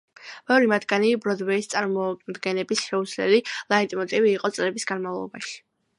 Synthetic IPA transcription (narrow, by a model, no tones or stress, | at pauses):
mɛɔɾimat̪ɡanibɾɔd̪wɛist̪sʼaɾmɔd̪ɡɛnɛbisʃɛuslɛ̰lilˠait̪ʼmɔt̪ʼiviːqʼɔt̪sʼlɛbisɡanmavlˠɔ̰ba̰ʃi̥